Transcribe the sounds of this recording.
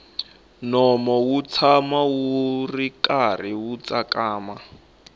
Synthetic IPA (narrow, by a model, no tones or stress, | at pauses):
nɔmɔwut͡sʰamawurikariwut͡sakaːma